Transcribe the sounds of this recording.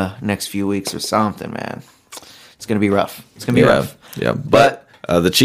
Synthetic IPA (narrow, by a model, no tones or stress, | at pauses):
nɛkstfjʉwiksə̰˞sɑ̃mθɪ̰̃ŋmæ̰̃n | tsɡ̥ʌnəbiɹʌ̰ftsɡ̥ʌnbiɹʌ̰f | jæ̰b̥ʌt̚ | ʔʌðɨt͡ʃʰi